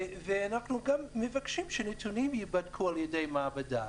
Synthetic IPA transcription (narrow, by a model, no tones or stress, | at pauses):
veanaχnuɡamːevakʃimʃenet̪unimjibadkʰualjedejmaabada